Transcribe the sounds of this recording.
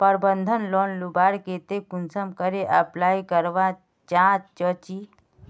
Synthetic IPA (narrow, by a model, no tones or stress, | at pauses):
pəɾbənd̪ʱənlɔːnlubaːɾkeːt̪ekʊnsəmkəɾeʔəplaːikəɾʋa | t͡ʃãːt͡ʃt͡ʃɔt͡ʃiː